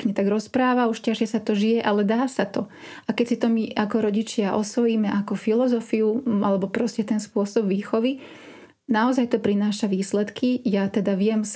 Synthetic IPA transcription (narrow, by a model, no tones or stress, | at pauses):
kɲɛt̪aɡɾɔspɾaːʋauʃcaʃɪɛsat̪ɔʒijɛʔalɛd̪aːsat̪ɔ | ʔakɛcsit̪ɔmiʔakɔɾɔɟit͡ʃɪaʔɔsʋɔjiːmɛʔakɔfilɔzɔfiuʔalɛbɔpɾɔscɛt̪ɛnspʊɔsɔbʋiːxɔʋi | naɔzajt̪ɔpɾinaːʃaʋiːslɛt̪kijat̪ɛd̪aʋɪɛm